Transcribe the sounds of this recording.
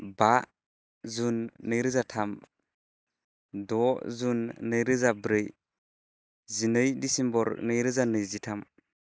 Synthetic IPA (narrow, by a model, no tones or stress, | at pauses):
baʔ | zunːɯjɾɯzatʰam | dɔzunːɯjɾɯzabɾɯj | zinɯjdisimbɔɾnɯjɾɯzanɯjzitʰam